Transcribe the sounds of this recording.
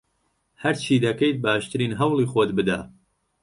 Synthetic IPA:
hɐɾt͡ʃʰiːd̪ɐkejt̪̚baːʃt̪ɨɾiːnɦɐwlˠiːxoːt̪bɨd̪a̰ː

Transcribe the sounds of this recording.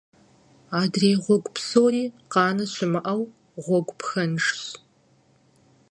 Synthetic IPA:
aːdreːʁʷɔɡʷpsoːɾiːqɑːnɐɕɪmɨʔɐw | ʁʷɔɡʷpxɐnʂɕ

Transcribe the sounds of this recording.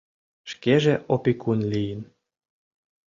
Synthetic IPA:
ʃkeʒeʔopikunlijən

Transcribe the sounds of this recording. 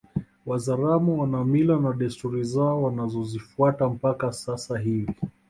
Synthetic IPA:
wazaɾamuwanamilanaɗɛstuɾizaɔwanazɔzifuatam̩pakasasaɦivi

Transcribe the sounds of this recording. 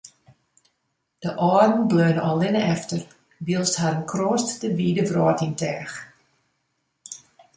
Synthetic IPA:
d̥əʔɔːdən̩bløːnəɔlˠɪnəɛftər | ʋiəlˠsthaɾənkʰroːstdəʋiːdəvrɔːtintɛːx

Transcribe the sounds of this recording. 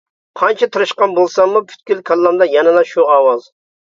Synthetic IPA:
qʰɑnt͡ʃʰɛt̪ʰɨɾɨʃqɑnbolˠsɑmːupʰy̥t̪̚kʲylkʰɑlˠːɑmd̪ɑjɛnɨd̪ɑʃuɑwɑz

